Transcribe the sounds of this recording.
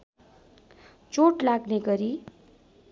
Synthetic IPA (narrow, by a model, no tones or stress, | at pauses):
t͡soʈlaɡneɡʌɾi